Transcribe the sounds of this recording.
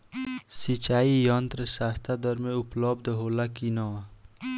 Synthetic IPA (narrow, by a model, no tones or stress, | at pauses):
sit͡ʃaːijɔnt̪ɾəsaːst̪ʰad̪əɾmẽuplɔbd̪ʱɦoːlakinɔ